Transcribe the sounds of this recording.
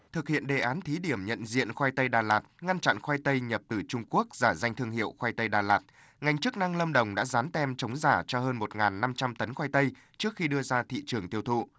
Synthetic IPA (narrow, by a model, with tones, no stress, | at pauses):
t̪ʰɨ˨˩k̚hḭ˧˨ənɗe˨˩ʔaː˨˦nt̪ʰi˨˦ɗi˧˩əmɲə̰˧˨nzḭ˧˨ənxwaː˧jt̪ə˧jɗaː˨˩laː˨˩t̚ŋa˧nt͡ɕa̰˧˨nxwa˧jt̪ə˧jɲə˨˩p̚t̪ɨ˨˩t͡ɕʊ˧ŋ͡mku˦˥ək̚zaː˧˩za˧jŋ̟t̪ʰɨ˧əŋhḭ˧˨əwxwa˧jt̪ə˧jɗaː˨˩laː˨˩t̚ | ŋa˧˩jŋ̟t͡ɕɨ˦˥k̚na˧ŋlə˧mɗə˨˩wŋ͡mɗa̰ː˧˥zaː˨˦nt̪ɛ˧mt͡ɕə˨˦wŋ͡mzaː˧˩t͡ɕɔ˧həː˧nmo˨˩t̚ŋaː˨˩nːa˧mt͡ɕa˧mt̪ə˨˦nxwaː˧jt̪ə˧j | t͡ɕɨ˦˥ək̚xi˧ɗɨ˧əzaː˧t̪ʰḭ˧˨t͡ɕɨ˨˩əŋt̪i˧əwt̪ʰṵ˧˨